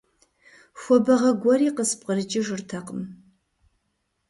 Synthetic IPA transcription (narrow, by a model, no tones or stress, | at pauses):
xʷɔbɐʁɐɡʷɔɾiːqəsp̚qəɾɨt͡ʃʼɪʒɨrtʰɐqəm